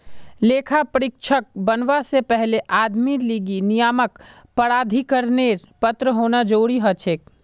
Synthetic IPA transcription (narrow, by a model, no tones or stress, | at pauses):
lekʰapəɾik̚t͡ʃʰək̚bənʋasepɛɦleʔad̪miɾliɡinijamək | pəɾad̪ʱikəɾneɾpət̪ɾəɦonad͡ʒoɽiɦət͡ʃʰek